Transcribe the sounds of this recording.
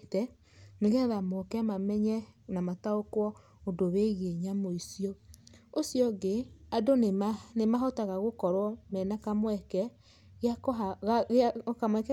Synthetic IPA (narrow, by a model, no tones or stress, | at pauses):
tɛ | neɣɛðamokɛmamɛɲɛnamataokwɔ | odoβeɣeɲamoisiɔosjɔɡeadonenemaɦɔtaɣaɣokɔɾwɔmɛnakamwɛkɛ | ɣeaka | kamwɛkɛ